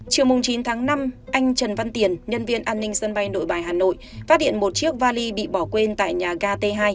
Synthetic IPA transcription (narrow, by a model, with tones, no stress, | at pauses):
t͡ɕi˨˩əwmʊ˨˩ŋ͡mt͡ɕi˨˦nt̪ʰaː˨˦ŋna˧mʔa˧jŋ̟t͡ɕə˨˩nva˧nt̪i˨˩ənɲə˧nvi˧ənʔaː˧nːï˧ŋ̟sə˧nɓa˧jno̰˧˨jɓaː˨˩jɦaː˨˩no̰˧˨jfaː˦˥t̚ɗḭ˧˨ənmo˨˩t̚t͡ɕi˦˥ək̚vaː˧li˧ɓḭ˧˨ɓɔ˧˩kwe˧nt̪a̰ː˧˨jɲaː˨˩ɣaː˧t̪e˧ɦaː˧j